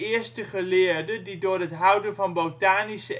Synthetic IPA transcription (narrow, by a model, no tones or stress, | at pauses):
ɪəɹstəχəlɪːɹdədidʊːɹɦətɦœwdəvɑnbowtaːnisə